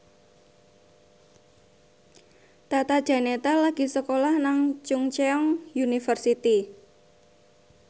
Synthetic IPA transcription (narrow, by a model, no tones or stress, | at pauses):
t̪at̪ad̥ʒ̥ä̤net̪alaɡ̥i̤səkolahnaŋt͡ʃuŋt͡ʃeɔŋjunifərsit̪i